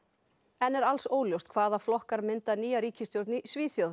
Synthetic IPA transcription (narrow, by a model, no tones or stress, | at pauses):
ɛnɛɾalsoːwljowst̪̚kʰvaːðaflɔhkaɾmɪnt̪aniːjaɾiːcɪst̪jowɾt̪nɪsviːθjow